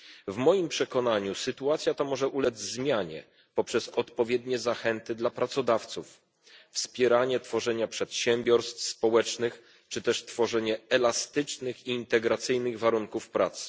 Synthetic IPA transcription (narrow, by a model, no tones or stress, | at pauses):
vmɔjimpʂɛkɔnaɲusɘt̪uat̪sʲjat̪amɔʐɛʔulɛd͡ʑzmʲjaɲɛ̰ | pɔpʂɛsɔt̪pɔvʲjɛd̪ɲɛzaxɛnt̪ɘd̪lapɾat̪sɔd̪aft̪suf | fspʲjɛɾaɲɛt̪fɔʐɛɲapʂɛt̪ɕɛmʲbʲjɔɾst̪fspɔwɛt͡ʂnɘx | t͡ʂɘt̪ɛʂt̪fɔʐɛɲɛɛlast̪ɘt͡ʂnɘxiːnt̪ɛɡɾat̪sɘjnɘɣvaɾuŋkufpɾat̪s